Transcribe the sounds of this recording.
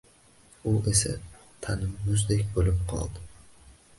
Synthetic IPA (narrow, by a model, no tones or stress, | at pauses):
ʊʔesa̰ | t̪ʰanɪmːʊzd̪ekʲbolɪmqʰɒ̰lˠd̪ɪ